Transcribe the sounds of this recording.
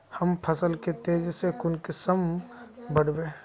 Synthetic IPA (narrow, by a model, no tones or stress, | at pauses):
hɐmpʰəsəlket̪eːd͡ʒsekʊnkɪsəmbəɽbẽː